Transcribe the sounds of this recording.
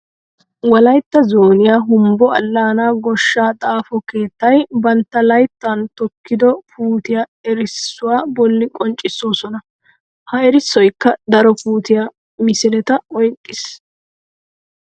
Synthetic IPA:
wɐlɐjt̪ːɐzoːnɪjaːɦʊmbɔɐlːaːnaːɡɔʃːaːt̪ʼaːfɔke̞ːt̪ːɐjbɐnt̪ːɐlɐjt̪ːaːnt̪ɔkːɪd̪ɔfuːt̪ɪjaɛɾɪsːʊwaːbɔlːɪkʼɔnt͡ʃʼːɪsːoːsɔnɐ | hɐɛɾɪsːɔjkːɐd̪ɐɾɔpuːt̪ɪja | mɪsɪlɛt̪ɐɔjkʼːɪs

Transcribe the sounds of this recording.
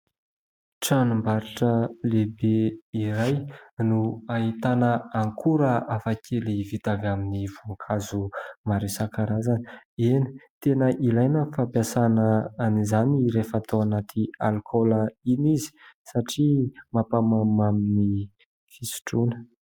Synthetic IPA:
ʈ͡ʂanumbaɾiʈ͡ʂəlebeiɾajnuait̪anəaŋkʰuɾəafakʰelivit̪avaminivuŋkʰazumaɾesakaɾazanieni̥t̪enəʔilajnəfapjasanəːnizaniɾefat̪oanat̪ʰialkʰɔləinizi̥saʈ͡ʂimapamamamini | fisi̥ʈ͡ʂunə̥

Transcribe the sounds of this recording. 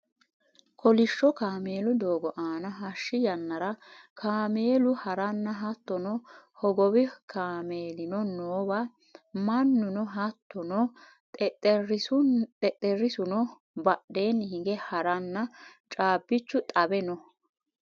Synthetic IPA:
kʰɔlɪʃːɔkaːme̞ːlʊd̪oːɡɔʔaːnɐɦɐʃːɪjɐnːɐɾɐkʰaːme̞ːlʊhɐɾɐnːɐɦɐt̪ːɔnɔhɔɡɔbɪkʰaːmeːlɪnɔnoːbɐ | mɐnːʊnɔɦɐt̪ːɔnɔ | ɛɛɾɪsʊɛt̪ʼːɛɾɪsʊnɔ | bɐɗeːnhɪɡɛhɐɾɐnːɐt͡ʃʼaːbːɪt͡ʃːʊt̪ʼɐbɛnɔ

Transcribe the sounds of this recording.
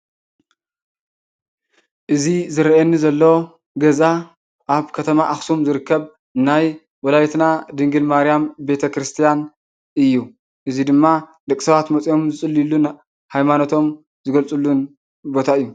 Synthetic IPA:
ʔɨzizɨɾʔenːizɐlːo | ɡɐza | ʔaβkʰɐt̪ʰɐmaʔaxsumzɨɾɨkʰːɐβ | naj | wɔlajit̪nad̪ɨŋɡɨlmaɾijambe̞t̪ʰɐkɾɨst̪ʰijan | ʔɨjːu | ʔɨzid̪ɨmːad̪ɐkʼsɐβat̪mɐt͡sʼijo̞mzɨt͡sʼɨlːilːun | hajmanot̪ʰo̞m | zɨɡɐlt͡sʼulːun | bo̞t̪ʰaɨjːu

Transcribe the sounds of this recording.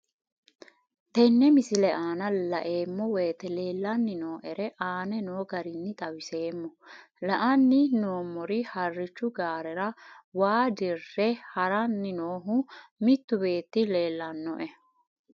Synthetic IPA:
t̪ɛnːɛmɪsɪlɛʔaːnɐlɐʔe̞ːmːɔweːt̪ɛle̞ːlːɐnːɪnoːʔɛɾɛʔaːnɛnoːɡɐɾɪnːɪt̪ʼɐwɪse̞ːmːɔ | lɐʔɐnːɪnoːmːɔɾɪhɐrːɪt͡ʃːʊɡaːɾɛɾɐwaːd̪ɪrːɛhɐɾɐnːɪnoːɦʊmɪt̪ːʊbe̞ːt̪ːɪle̞ːlːɐnːɔʔɛ

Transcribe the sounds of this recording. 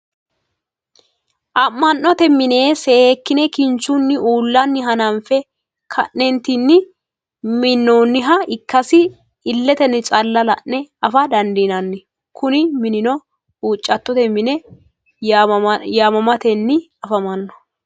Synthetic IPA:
ʔɐmːɐnːɔt̪ɛmːɪne̞ːsɛeːkːɪnɛkɪnt͡ʃːunːɪuːlːɐnːɪɦɐnɐnfɛ | kʰɐ̰ʔːɛnt̪ɪnːɪ | mɪnːoːnːɪɦɐɪkːɐsɪ | ɪlːɛt̪ɛnːɪt͡ʃʼɐlːɐlɐ̰ʔɛɐfɐd̪ɐnd̪inɐnːɪ | kʰʊnɪmɪnɪnɔ | uːt͡ʃʼːɐt̪ːɔt̪ɛmɪnɛ | jaːmɐmɐt̪ɛnːɪ | ɐfɐmɐnːɔ̥

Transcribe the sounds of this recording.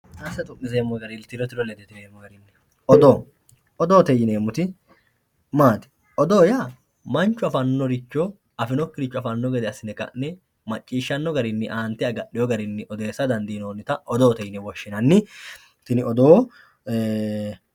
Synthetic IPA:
aːsɐt̪ʼʊʔːɪzeːmːɔɡɐɾɪlt̪ɪɾɔt̪ɪɾɔlɛd̪ɛt̪ɪneːmːɔɡɐɾɪnːɪ | ʔɔd̪oː | ɔd̪oːt̪ɛjɪneːmːʊt̪ɪ | maːt̪ɪ̥ | ɔd̪oːja | mɐnt͡ʃːʊɐfɐnːɔɾɪt͡ʃːɔ | ɐfɪnɔkːɪɾɪt͡ʃːʊɐfɐnːɔɡɛd̪ɛɐsɪnɛkʼɐ̰ʔnɛ | mɐt͡ʃʼːiːʃːɐnːɔɡɐɾɪnːɪʔaːnt̪ɪɐɡɐʔːɪjɔɡɐɾɪnːɪʔɔd̪e̞ːsːɐd̪ɐnd̪iːnoːnːɪt̪ɐɔd̪oːt̪ɛjɪnɛwɔʃːɪnɐnːɪ | t̪ɪnɪʔɔd̪oː

